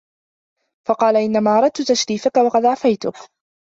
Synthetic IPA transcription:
fɑqɑːlaʔɪnːamaːʔɑɾˤɑd̪̚t̪ʊt̪aʃɾiːfakawɑqɑd̪ʕafajt̪ʊk

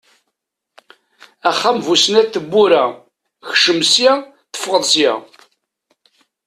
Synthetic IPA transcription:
æχːamvusnæθːəbːuɾæ | çʃəmsjæ | θə̥fʁəðˤsjæ̰

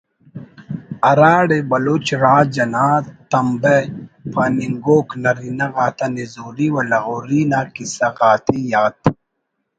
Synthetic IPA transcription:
ɐɾaːɽebɐloːt͡ʃɾaːd͡ʑɐnaːt̪ːɐmbepʰaːniŋɡoːknɐɾinɐɣaːt̪ɐnezoːɾiwɐlɐɣoɾiːnakisɐɣaːt̪ʰijaːt̪

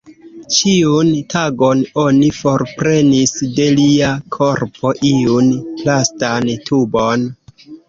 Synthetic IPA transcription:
t͡ʃiuntaɡo̞no̞nifo̞ɾpɾe̞nisde̞liakʰo̞ɾpʰo̞ʔiunlastantʰubon

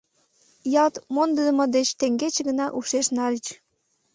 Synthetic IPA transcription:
jɑt̪mond̪əd̪əmŏd̪et͡ɕt̪eŋɡet͡ɕeɡə̆nɑʔuʃeʃnɑlʲit͡ɕ

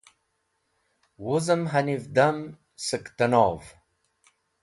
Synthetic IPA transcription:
wʊzəmɦanivd̪am | səkt̪ɐnoːv

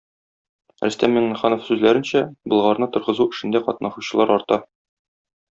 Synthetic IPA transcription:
ɾæ̆st̪æmːiŋnɘ̆χɑnofsʉzlæɾɘ̆nɕæbɤ̆lˠʁɑɾnɤt̪ŏɾʁɤ̆zuɘ̆ʃɘ̆nd̪æqɒt̪̚nɑʃuɕɤ̆lˠɑɾɒɾt̪ɑ

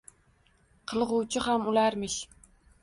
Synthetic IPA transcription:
qʰɨlˠʁʊwt͡ʃʰɪhamulæɾmɪʃ

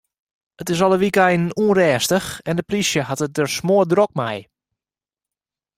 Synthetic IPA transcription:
ətɪs̬ɔlˠəʋikɛjnuənrɛːstəxɛndəplisjəhatət̚dərsmoədrok̚mɛ̰j

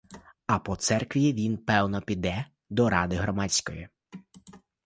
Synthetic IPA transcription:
ɐpɔt̪sɛrkʋʲiʋʲinpɛwnɔpʲid̪ɛ | d̪ɔɾɑd̪ɪɦɾɔmɑt͡sʲkɔji

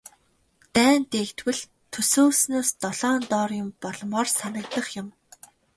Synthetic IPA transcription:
t̪æːnt̪eːkt̪wɘ̆ɮ | t̪ʰɵsoːsnoːst̪ɔɮ̥ɔːnt̪ɔːrjʊ̆mpɔɮɞ̆mɔːrsanə̆k̚t̪ə̆χjʊ̆m

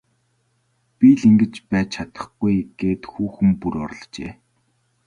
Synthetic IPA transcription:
piɮiŋɡɘ̆t͡ɕpæːt͡ɕʰat̪ə̥̆χɡ̥ujɡ̥eːt̪xuːxɘ̆mpuɾɔr̆ɮt͡ɕeː

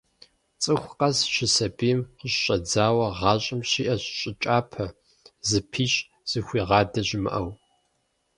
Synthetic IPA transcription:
t͡sʼɨxʷqɐsʃɪsɐbijmqəɕɕʼɐd͡zaːwɐʁɑːɕʼɪmɕiːʔɐɕɕʼɪt͡ʃʼaːpʰɐ | zɨpʰiːɕʼ | z̥ɨxʷiːʁɑːdɐʑɪmɨ̰ʔɐw

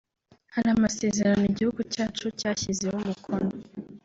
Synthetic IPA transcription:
haɾamase̞ːze̞ɾaniɟihuɡucaːt͡ʃucaːçize̞humukʰono

